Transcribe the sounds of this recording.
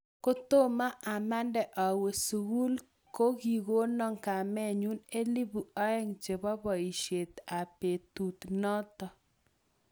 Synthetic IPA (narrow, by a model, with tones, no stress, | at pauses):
ko˦t̪o˦ma˦ʔa˨ma˦ndɛ˨ʔɔ˨we˨su˨ɣu˦l | ko˦ɡi˨ɣo˦nɔ˦ŋka˨mɛ˦ɲu˦ne˦li˦bu˨ɔ˦ɛ˦ŋd͡ʒe˨bɔ˦bɔ˨i˨ʃe˨t̪a˨pe˨t̪u˨t̪nɔ˦t̪ɔ˨